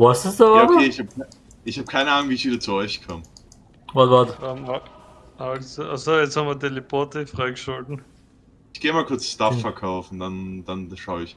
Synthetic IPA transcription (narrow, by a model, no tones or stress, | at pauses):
vasɪsokʰeːɪçhab̚k | ʔɪçhaːb̚kʰaɪnəʔaːnʊŋv̥iːɪçviːdɐt͡suɔʏçkʰaːm | oɡɔtama | alsoʔa̰soːjɛt͡sthamvɐdeliboɐtəfʁaɪɡəʃʊltn̩ | ɪçɡ̥eːmaːlkʰʊɐt͡sstafːɛɐkʰaʊfn̩d̥and̥anʃaʊɪç